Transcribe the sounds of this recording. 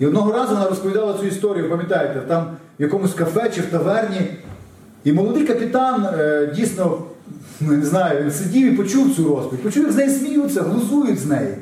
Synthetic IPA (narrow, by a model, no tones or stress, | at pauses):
iɔd̪nɔɦɔɾɑzʊʋɔnɑɾɔspɔʋʲid̪ɑlˠɐt͡sʲujʊist̪ɔɾʲijʊpɐmʲjɐt̪ɑjet̪ɛt̪ɑm | jɐkɔmʊsʲkɐfɛt͡ʃɪwt̪ɐʋɛrnʲi | imɔlˠɔd̪ɪjkɐpʲɪt̪ɑndʲijsnɔ | nʊneznɑjʊʋʲinsɪdʲiwipɔt͡ʃuw̪t͡sʲuɾɔspʋʲitʲpɔt͡ʃuʋʲɪznɛjisʲmʲijut͡sʲːɐɦlˠʊzujʊtʲznɛji